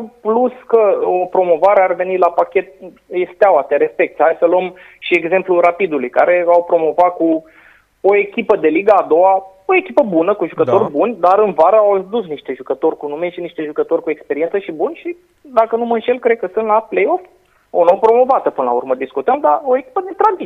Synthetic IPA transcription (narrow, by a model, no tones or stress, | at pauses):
pluskəopɾo̞mo̞vaɾeareve̞nilapakʲe̞t̪̚ | jest̪eawat̪eɾe̞spe̞k̚t̪sʲhajsəluəm | ʃie̞ɡze̞mpluɾapid̪ulujka̰ɾe̞awpɾo̞mo̞vat̪̚ku | oe̞kʲipəd̪e̞liɡaːd̪o̞wa | oe̞kʲipəbunəkuʒukət̪o̞rʲbunʲd̪aɾɨnvaɾəawd̪usniʃt̪e̞ʒukət̪o̞rʲkunumeʃiniʃt̪e̞ʒukət̪o̞rʲkuekspe̞ɾiensəʃibunʲʃi | d̪akənuməɨnʃe̞lkɾe̞d̪̚kəsɨnt̪laplejo̞f | onowpɾo̞mo̞vat̪əpɨnəlaṵrməd̪iskut̪əmd̪aoekʲi̥pəd̪e̞t̪ɾad̪i